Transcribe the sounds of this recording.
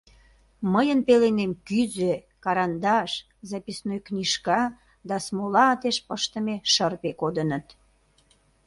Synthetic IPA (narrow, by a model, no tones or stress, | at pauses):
məjənpelenemkyzø | kɑɾɑnd̪ɑʃ | zɑpisnojknʲiʃkɑ | d̪ɑsmolɑt̪eʃpəʃt̪əmeʃərpekod̪ənət̪